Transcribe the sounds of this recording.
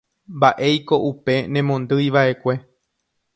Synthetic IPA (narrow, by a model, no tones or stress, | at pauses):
mbaʔe̞jko̞ʔupe̞nẽ̞mõ̞nd̪ɨjʋaʔe̞kʷe̞